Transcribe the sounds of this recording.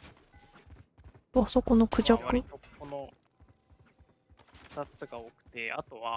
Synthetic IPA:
aso̞ko̞no̞kɯ̟ʑakɯ̟okono | t̪at͡sɨɡaokɯ̟̥t̪e̞at̪o̞βa

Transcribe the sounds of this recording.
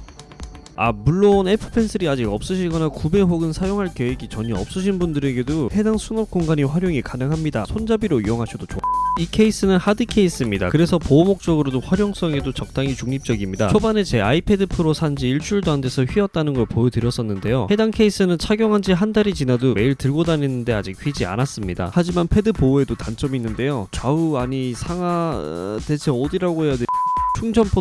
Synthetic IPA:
a̰muɭːone̞pʰɯ̥pʰe̞nsʰɯɾiad͡ʑiɡʌp̚s͈ɯɕʰiɭɡʌnakube̞ɸoɡɯnsʰajoŋɦaɭkjeweɡit͡ɕʌɲiʌp̚s͈ɯɕʰinbundɯɾe̞ɡe̞dohe̞daŋsʰunʌp̚k͈oŋɡaɲiɸwaɾjoŋikanɯŋɦamɲidasʰond͡ʑabiɾoijʌŋɦaɕʰʌdot͡ɕoaikʰe̞is͈ɯnɯnhadɯkʰe̞is͈ɯmɲida̰kɯɾe̞sʰʌpoːmok̚t͡ɕ͈ʌɡɯɾodoɸwaɾjʌŋs͈ʌŋe̞dot͡ɕʌk̚t͈aŋit͡ɕuŋɲip̚t͡ɕ͈ʌɡimɲidaobanet͡ɕe̞aipʰe̞dɯpʰɯɾosʰand͡ʑiːɭt͡ɕ͈ʰuɭdwande̞sʰʌɸɥiʌt̚t͈anɯnɡʌɭpojotɯɾjʌs͈ʌnːɯnde̞johe̞daŋkʰe̞is͈ɯnɯnt͡ɕʰaɡjʌŋɦand͡ʑiɦandaɾit͡ɕinadome̞iɭtɯɭɡodanenːɯnde̞a̰d͡ʑik̚ɸɥid͡ʑia̰nas͈ɯmɲida̰had͡ʑimanpʰe̞dɯpoe̞dotant͡ɕ͈ʌminːɯnde̞jot͡ɕauaɲisʰaŋate̞t͡ɕʰe̞odiɾaɡohejadet͡ɕʰuŋd͡ʑʰʌmpʰo

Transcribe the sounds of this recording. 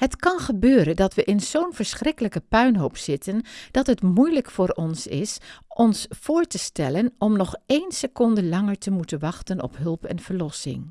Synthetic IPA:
ɦətkɑnχəbøːɾəndɑtʋəʔɪnz̥ownvəɹsχrɪkələkəpœɥnɦowpsɪtʰənd̥ɑtɦətmujləkfʊːɾɔnsɪ̰sʔɔnsfʊːɹtəstɛlənɔmnɔχejnsəkɔndəlɑŋəɹtəmutənʋɑχtənɔ̰pɦɵlˠpɛ̰nv̥əɹlɔsɪ̰ŋ

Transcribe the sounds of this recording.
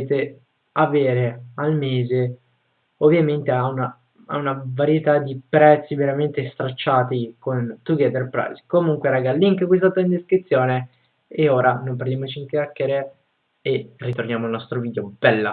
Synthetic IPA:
t̪e | aveːɾealmeːze | ovːjament̪eauna | a̰unavaɾjet̪ad̪ipɾɛt̪sːiveɾament̪est̪ɾat͡ʃːaːt̪ikont̪uɡɛt̪erpɾa̰jskomuŋkweɾaɡalːiŋkkwes̬t̪at̪and̪eskɾit̪sːjoːne | eoːɾanomperd̪jamot͡ʃiŋkeakːeɾe | erːit̪ornjaːmoalnɔst̪ɾoviːd̪eob̥ɛlːa̰

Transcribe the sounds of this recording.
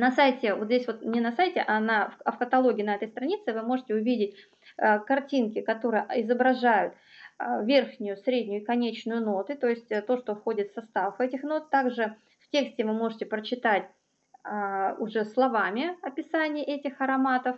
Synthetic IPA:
nɐsajtʲɪvo̞t̪zʲdʲesʲvo̞t̪mnʲɪnɐsajtʲɪʔanɐɐfkət̪ɐlˠo̞ɡʲɪːnɐɛt̪əjst̪ɾɐnʲit̪sɨvɨmo̞ʐɨtʲɪʊvʲidʲɪtʲ | əkɐrtʲinkʲɪkɐt̪o̞ɾɨjəɪzəbɾɐʐajʊt̪ | vʲe̞rxnʲʊjʊsɾʲedʲnʲʊjʊɪkɐnʲet͡ɕnʊjʊno̞t̪ʊt̪o̞jɪsʲtʲt̪o̞ʂt̪o̞fxo̞dʲɪt̪fsɐst̪affvɛtʲɪxno̞t̪ːaɡʐɨ | ftʲeksʲtʲɪvɨmo̞ʐɨtʲɪpɾət͡ɕɪt̪atʲ | ʊʐɛslˠɐvamʲɪɐpʲɪsanʲɪjəʔɛtʲɪxɐɾɐmat̪əf

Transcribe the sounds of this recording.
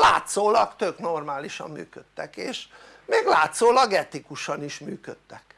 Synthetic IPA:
la̰ːt̪soːlɒkt̪øknormaːliʃɒ̰mːy̰ːkøt̪ːɛkeːʃ | meːɡlaːt̪soːlɒɡɛt̪ikuʃɒniʃmyːkøt̪ːɛk

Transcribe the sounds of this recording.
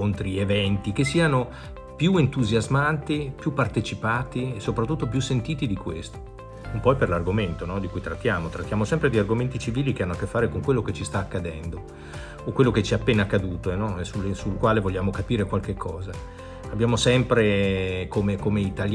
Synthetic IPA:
ont̪ɾievɛnt̪ik̟es̬ːiːano | pjuent̪uzjazmant̪ipjupːart̪et͡ʃipaːt̪iesopɾat̪ːut̪ːop̬jusːent̪iːt̪id̪ikwḛst̪o̥ | umpɔjperlarɡoment̪onɔd̪ikujt̪ɾat̪ːjaːmot̪ɾat̪ːjaːmosɛmpɾed̪iarɡoment̪it͡ʃiviːlikeanːoakːefːaːɾekoŋkwelːoket͡ʃist̪aːkːad̪ɛnd̪oː | kwelːoket͡ʃɛapːeːnakːad̪uːt̪oɛnɔɛsulesulkwaːlevoʎːaːmokapiːɾekwalk̟ekʰːɔːza | abːjaːmosɛmpɾekomekomeit̪alj

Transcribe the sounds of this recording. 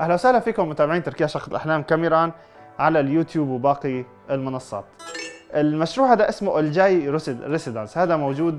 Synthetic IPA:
ʔahlawsahlafiːkʊmːʊt̪aːbɪʕiːnt̪ɑɾˤkɪjaʃɑxˤɪlʔaħlaːmkamɪɾˤɑːn | ʕalaljuːt̪juːbwbɑːqi | ʔɪlmʊnɑsˤːɑ̰ːt̪ʔɪlmaʃɾuːʕad̪aʔɪsmʊʔʊld͡ʒaːjɾɪsɪd̪anshaːd̪amowd͡ʒuːd̪

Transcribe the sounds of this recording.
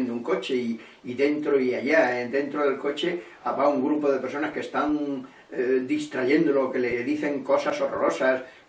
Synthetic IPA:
nd̪ouŋko̞t͡ʃei | iðẽ̞nt̪ɾoiaʎaend̪ẽ̞nt̪ɾoðe̞lko̞t͡ʃe | aβauŋɡɾupo̞ðe̞peɾso̞naskest̪aŋ | d̪ist̪ɾaʝe̞nd̪olooke̞leðiθe̞ŋko̞saso̞roɾo̞sas

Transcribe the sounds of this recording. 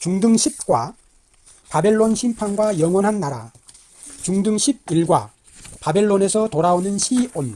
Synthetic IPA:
t͡ɕuŋdɯŋɕʰip̚k͈wa | pabe̞ɭːonɕʰimpʰanɡwajʌŋwʌnɦanːaɾa̰ | t͡ɕuŋdɯŋɕʰib̚iɭɡwa | pabe̞ɭːone̞sʰʌtoɾaonɯnɕʰion

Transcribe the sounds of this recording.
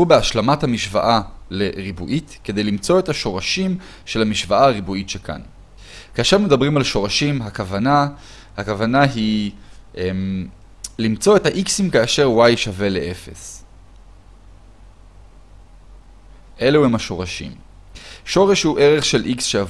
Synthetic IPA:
ubeaʃlamathamiʃva̰ʔale̞ʁibuʔitke̞d̪e̞jlimt͡so̞etaʃo̞ʁaʃim | ʃe̞lamiʃvaaaʁibuitʃekʰa̰n | kaːʃeʁme̞d̪abʁimalʃo̞ʁaʃimɦakavana | hakavanaɦiʔem | limt͡so̞e̞thaʔiksimkaːʃe̞ʁwajʃave̞leʔefes | ʔe̞leuemaʃo̞ʁaʃḭm | ʃo̞ʁeʃhuʔe̞ʁe̞χʃe̞lʔiksʃeav

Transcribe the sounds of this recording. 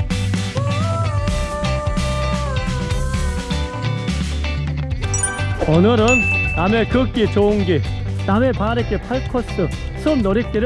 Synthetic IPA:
ʌnɯɾɯnːamekɯk͈it͡ɕouŋɡiname̞paɾek͈epʰaɭkʰʌs͈ɯ | sʰɯmnʌɾik̚k͈iɾɯ

